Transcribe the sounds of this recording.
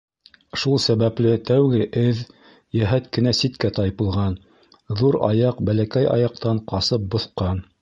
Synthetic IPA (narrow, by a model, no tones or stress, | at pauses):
ʃulˠsæβæplɘt̪æwɡɘʔɘð | jæɦæt̪kɘ̆næsit̪kæt̪ɑjpɤ̆lˠʁɑn | ðuɾɑ̰jɑqbælækæjɑ̰jɑq̚t̪ɑɴqɑsɤp̚bŏθqɑn